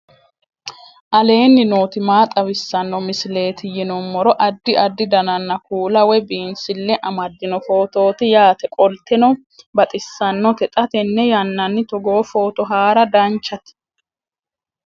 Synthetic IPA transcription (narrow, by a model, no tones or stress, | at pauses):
ʔɐle̞ːnːɪno̞ːt̪ɪmaːt̪ʼɐwɪsːɐnːɔmɪsɪle̞ːt̪ɪjɪnɔmːɔɾɔʔɐd̪ːɪʔɐd̪ːɪd̪ɐnɐnːɐkuːlɐwɛbiːnsɪlːɛʔɐmɐd̪ːɪnɔfo̞ːt̪o̞ːt̪ɪjaːt̪ɛkʼɔlt̪ɛnɔ | bɐt̪ʼɪsːɐnːɔt̪ɛt̪ʼɐt̪ɛnːɛjɐnːɐnːɪt̪ɔɡo̞ːfo̞ːt̪ɔɦaːɾɐd̪ɐnt͡ʃːɐt̪